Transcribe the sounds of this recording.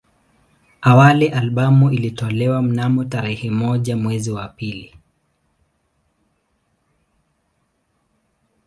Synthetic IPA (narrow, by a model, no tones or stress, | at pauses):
awalɛʔalɓamuilitɔlɛwam̩namɔtaɾɛhɛmɔʄamwɛziwapili